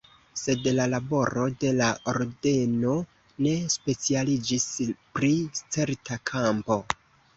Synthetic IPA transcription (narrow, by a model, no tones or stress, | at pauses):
se̞dlalabo̞ɾo̞de̞laoɾde̞no̞ | ne̞spe̞t͡sialid͡ʒispɾit͡se̞ɾtʰakʰampo̞